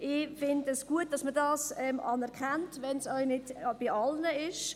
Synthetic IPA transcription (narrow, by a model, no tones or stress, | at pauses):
ʔɪfɪndəsɡ̥uət̚d̥ɑsmədɑːsɛmʔɑnɛɾkχɛntʋɛnsœʏnɪd̥b̥iɑlnəɪʃ